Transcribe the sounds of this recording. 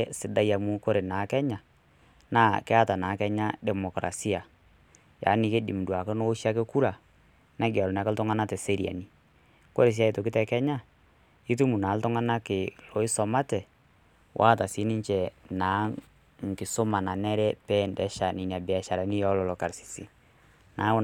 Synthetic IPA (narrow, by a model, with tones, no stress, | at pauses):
ɛ˦sɪ˨da˦ja˨mu˦ko˦ɾe˨na˨˦kɛ˦ɲa˨ | na˦˨kɛ˦a˦ta˨naː˨˦kɛ˦ɲa˦dɛ˨mɔ˨kɾa̰˨si˦a˨ | ja̰˨˦nɪ˨ke˦dḭ˨m˨dwa˨ke˦no˦ʃi˦a˦ke˦ku˦ɾa˨ | na˦ɡa˨lɔ˨n˨a˨ka˦ltɔ˦ŋa˦na˦tɛ˨se˦ɾi˨a̰˨ni˨ | ko˦ɾe˨s̬a˦i˨to˨kɪ˦tɛ˨kɛ˦ɲa˦˨ | i˦tu˦mu˨naː˨˦ltʊ˦ŋa˦na˦kɪ˨lo˨˦ɪ˦sɔ˨ma˦tɛ˨ | wʔa̰˦˨ta˨si˨˦nɪ˦ɲt͡ʃɛ˨na˨˦ | ŋ̩˨kɪ˨sʊ˦ma˨na˨nɛ˦ɾɛ˦pɛ˦˨ndɛ˨˦ʃa˨nɪ˨ɲa˨bɛ˨a˨ʃa˨ɾa˨ni˦jɔ˦lɔ˨lɔ˨ka˨ɾsi̥˨sḭ˨ | na˨˦